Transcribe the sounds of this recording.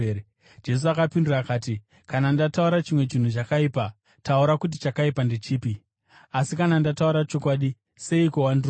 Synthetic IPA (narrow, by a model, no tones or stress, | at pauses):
d͡ʒe̞s̬uakapinduraːkaːti | kanandatauɾat͡ʃimwe̞t͡ʃin̤ut͡ʃakaipa | tauɾakut̬it͡ʃakaipandet͡ʃiːpi | asikanandatauɾat͡ʃo̞kwaɗi | se̞ikowandir